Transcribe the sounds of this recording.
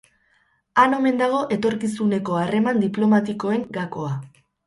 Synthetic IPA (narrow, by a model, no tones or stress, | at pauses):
ano̞me̞nd̪aɣ̞o̞ʔe̞t̪o̞ɾkisune̞ko̞are̞mand̪iplo̞mat̪iko̞e̞ŋɡako̞a